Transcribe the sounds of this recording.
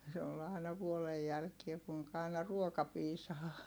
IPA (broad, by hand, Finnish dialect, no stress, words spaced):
se ol ɑˑi̯nɑ ʋuolej jælkie kuiŋkɑ ɑˑi̯nɑ ruokɑ piːsɑː